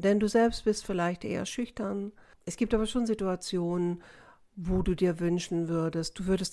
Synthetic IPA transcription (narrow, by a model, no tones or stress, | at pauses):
d̥ɛnduːzɛlpst̚b̥ɪstfɪlaɪçtʔḛːɐ̰ʃʏçtɐn | ʔɛsɡ̥iːp̚taːbɐʃoːnzituat͡sjoːnən | voːduːdiːɐvʏnʃn̩vʏɐdəst̚d̥uːvʏɐdəst